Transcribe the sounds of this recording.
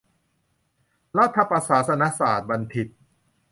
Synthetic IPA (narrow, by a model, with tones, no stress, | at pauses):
ɾa˦˥˩t̪ʰːa˧pa˧saː˩˦sa˧na˦˥saː˨˩t̪̚ba˧nt̪ʰi˨˩t̪̚